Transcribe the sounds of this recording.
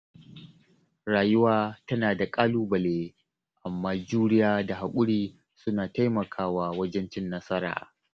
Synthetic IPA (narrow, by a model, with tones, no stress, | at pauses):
ɽaː˨jʊ˦waː˦tɐ˦naː˨da˨kʼaː˦luː˦bɐ˨leː˦ | ʔa˨mːaː˦d͡ʒuː˦nɪ˦jaː˦da˨ɦa˨kʷʼʊ˦ɽiː˦ | sʊ˦naː˨ta˦jmɐ˨kʰaː˦waː˦wɐ˦d͡ʒɛ˦nt͡ʃɪ˦nːɐ˦sɐ˦ɾa̰ː˨